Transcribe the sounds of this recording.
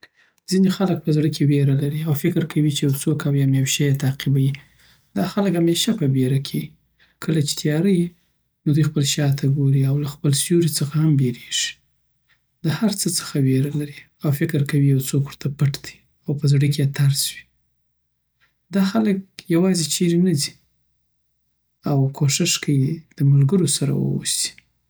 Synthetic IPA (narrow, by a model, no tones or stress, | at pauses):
z̥inexalək̚pəzɽəkʰeweɾalaɾiawfɪkɾkʰawit͡ʃejawt͡sokawjamjawʃajet̪aqibaji | d̪̥ɑxaləkhameʃapəbeɾakʰe | kʰəlat͡ʃe̥t̪ʰjɑɾaji | nod̪ujxpəlʃjɑt̪ʰaɡoɾiawlaxpəlsjuɾit͡səxahambeɾeʒ̥i̥ | d̪əhaɾt͡sət͡sə̥xaweɾalaɾi | awfɪkɾkawijawt͡sokwəɾt̪ʰapəʈd̪̥i̥ | awpəzɽəket̪aɾswi̥ | d̪ɑxalək̚jawɑzet͡ʃeɾenazi̥ | awkʰoʃɪʂkʰawid̪̥əmʊlɡəɾosaɾa̰wə̰wṵsi̥